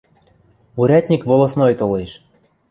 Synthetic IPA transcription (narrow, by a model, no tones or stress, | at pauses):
uɾʲæt̪ʲnʲikβolˠosnojt̪oleʃ